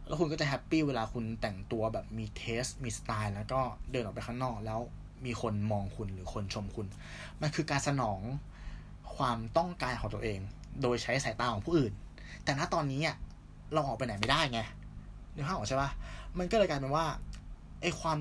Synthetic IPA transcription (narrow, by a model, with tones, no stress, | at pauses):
lɛː˦˥wkʰu˧nk̬ɔ˥˩t͡ɕa˨˩ɦɛ˦˥pːiː˥˩weː˧laː˧kʰu˧nt̪ɛ˨˩ŋt̪u˧ɐbɛː˨˩p̚miː˧t̪ʰeː˦˥st̪miː˧sḁ˧t̪aː˧jlɛː˦˥wkɔː˥˩dɤː˧nʔɔː˨˩pa˧jkʰa˥ŋnɔː˥˩k̚lɛː˦˥w | miː˧kʰo˧nmɔː˧ŋkʰu˧nɾɯː˩˦kʰo˧nt͡ɕʰo˧mkʰu˧n | ma˧nkʰɯː˧kaː˧nsa˧nɔː˩˦ŋ | kʰwaː˧mt̪ɔ˥˩ŋkaː˧nkʰɔː˨˩ŋt̪ɐ˧ʔeː˧ŋdoː˧jt͡ɕʰa˦˥ja˧˩saː˩˦jt̪aː˧ŋkʰɔ˩˦pʰuː˥˩ʔɯː˨˩n | t̪ɛː˨˩naː˥˩t̪ɔː˧nːiː˦˥ni˥˩ | ɾa˧wʔɔː˨˩k̚pa˧jna˨˩˦jma˥˩jdaː˥˩jŋa˧˩lɯː˨˦a˥˩ʔɔː˨˩t͡ɕʰa˥˩ba˦˥˩ma˧nkɔː˥˩lɤː˧jka˧jpa˧˩waː˥˩ | ʔa˦˥˩jkʰwaː˧m